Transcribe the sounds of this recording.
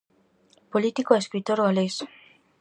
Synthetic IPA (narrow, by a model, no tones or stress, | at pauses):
polit̪ikoeskɾit̪oɾɣales